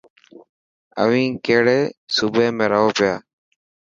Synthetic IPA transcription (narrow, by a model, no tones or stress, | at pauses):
ə̰ʋĩːkeːɽeːsuːbʱeːmẽːɾəɦoːpɪjaː